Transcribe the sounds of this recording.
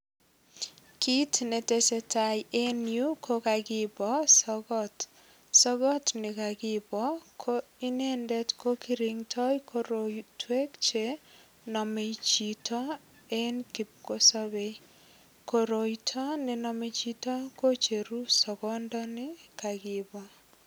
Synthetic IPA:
kitnetesetajenjukokaɡibɔsɔɡɔt | sɔɡɔtnɪkaɡibɔkʰoinendɛtkokiɾiŋtʰɔjkʰoɾotwekt͡ʃe | nɔmet͡ʃitɔ | enkip̚kosɔbej | koɾojtʰɔnenɔmet͡ʃitɔkot͡ʃeɾusɔɡɔndɔnɪkaɡibɔ

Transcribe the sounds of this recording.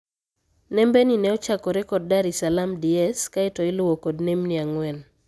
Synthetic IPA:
nɛmbeninɛɔt͡ʃakɔɾɛkɔd̚daɾisalamdiɛskaɪtɔɪlʊwokodnemniaŋwɛn

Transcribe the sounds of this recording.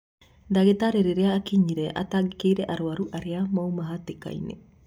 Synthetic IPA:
daɣetaɾeɾeɾeaːkiɲiɾeʔa̰taɡikejɾeʔaɾoaɾuʔaɾeamawmaɦateka̰jnḛ

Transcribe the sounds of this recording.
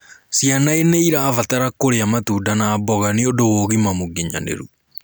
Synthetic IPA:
sjanaeneiɾaːvataɾakoɾeamatudanaːbɔɣaneodowoːɣimamoɡeɲa̰nḛɾu

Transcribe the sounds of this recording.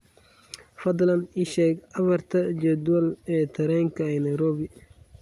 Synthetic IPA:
fɐd̪lɐniʃɛːɡɐβɐrt̪ʰɐd͡ʒɛd̪wɐlɛːt̪ʰɐɾɛːŋkʰɐɛnɐjɾɔːbɪ

